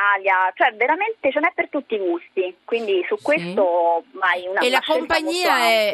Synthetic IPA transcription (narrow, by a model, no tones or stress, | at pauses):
aljat͡ʃoɛveɾament̪et͡ʃonɛpːert̪ut̪ːiːɡust̪ikwind̪isukːwest̪oajunaelakompaɲːiːaɛ